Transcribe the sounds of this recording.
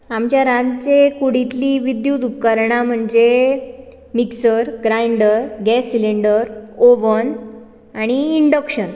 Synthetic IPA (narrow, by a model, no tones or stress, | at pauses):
amt͡ɕjaɾãnt͡ɕekuɽ̤it̪liʋid̪jut̪ukːaɾɳam̤əɳd͡ze | miksəɾɡɾaiɳɖəɾɡɛsːiliɳɖəɾoʋən | aɽ̃iːɳɖəkɕən